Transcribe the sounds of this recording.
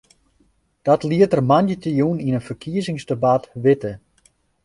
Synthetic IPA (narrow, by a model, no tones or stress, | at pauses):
d̥ɔtliətərmanjətəjuninənfərkʰiəzɪŋsdəbatʋɪtə